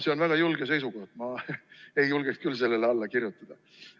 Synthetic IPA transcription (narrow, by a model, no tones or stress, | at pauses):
se̞onvæɡ̥ɑjulɡes̬e̞js̬uko̞hd̪mɑe̞julɡ̥ekskylse̞lːe̞leɑlːɑkirjut̪ːˑɑd̪̥ɑ